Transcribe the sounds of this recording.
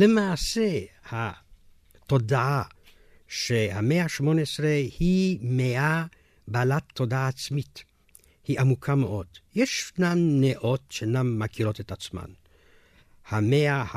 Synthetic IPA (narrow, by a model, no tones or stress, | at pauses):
lemaːseha | t̪odaa | ʃehameaʃmoneesɾehimea | balat̪ːodaːt͡smit̪ | hiʔamukʰameʔo̞d̪jeʃnanːeʔo̞tʃenamːakiɾotetat͡sma̰n | hameaha